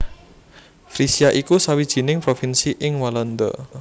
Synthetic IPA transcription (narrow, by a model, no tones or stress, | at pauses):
fɾisiaʔikusawid̥ʒ̥i̤nɪŋpɾofinsiʔɪŋwalɔnd̪ɔ̰